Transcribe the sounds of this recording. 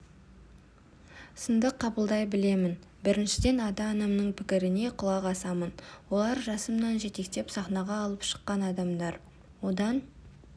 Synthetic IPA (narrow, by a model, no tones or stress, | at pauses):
sənd̪əqʰːɑbəlˠd̪ɑjbɪle̞mɪn | bɪɾɪnʃɪd̪e̞nɑd̪ɑːnɑmnəɴpʰɪkʲɪɾɪne̞qʰʊlˠɑqɑsɑmənwo̞lˠɑɾʒɑsəmnɑnʒe̞t̪e̞kt̪e̞psɑχnɑʁɑːlˠəpʃə̥qːɑnɑd̪ɑmd̪ɑɾ | wo̞d̪ɑn